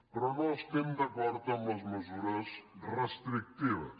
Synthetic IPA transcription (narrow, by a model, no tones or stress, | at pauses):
pɾɐnɔst̪emd̪ɐkɔɾd̪ɐumɐzmɨzuɾɐsreʃt̪ɾik̚t̪ivɐ̰